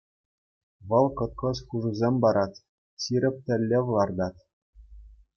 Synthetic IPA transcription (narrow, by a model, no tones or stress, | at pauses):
ʋɤ̆lˠkɤ̆t̪̚kɤ̆sχuʐuzʲemʲbɑɾɑt̪ʲ | ɕiɾʲɘ̆p̚ʲt̪ʲɘ̆lʲːeʋɤ̆lˠɑrd̪ɑt̪ʲ